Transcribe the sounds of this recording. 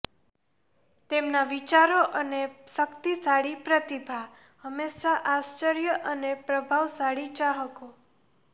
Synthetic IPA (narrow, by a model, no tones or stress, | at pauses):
t̪emnaʋit͡ʃaɾoʔəneʃəkt̪isaɽipɾət̪ibʱa | ɦəmeʃaʔast͡ʃəɾjəʔənepɾəbʱaʋsaɽit͡ʃaɦəko